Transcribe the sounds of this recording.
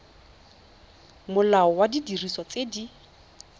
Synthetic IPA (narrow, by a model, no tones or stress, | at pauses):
mʊlaɔwadidiriswɔt͡sedi